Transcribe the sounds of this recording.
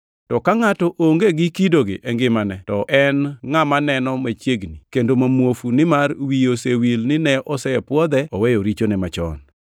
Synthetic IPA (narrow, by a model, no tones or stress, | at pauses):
tɔkaŋatɔʔoŋɡeɡɪkidoɡɪ̰ʔɛŋɡɪmanɛtɔʔɛnŋamanɛnɔmat͡ʃjeɡnikendomamwofunɪmarwiosewilnɪnɛʔɔsɛpwɔd̪ɛɔwejoɾit͡ʃonɛmat͡ʃɔ̰n